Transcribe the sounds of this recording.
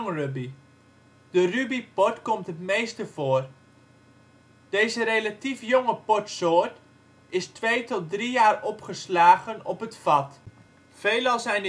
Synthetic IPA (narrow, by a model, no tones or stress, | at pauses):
ŋrøbi | d̥ərybipɔtkɔmtətmeːstəfoər | d̥eːzəɾelatifjoŋəpɔtsoːət | ɪstʋejtɔt̚drijaːrɔpχəslaːɣənɔpətfɑt | feːlɑlˠsɛjn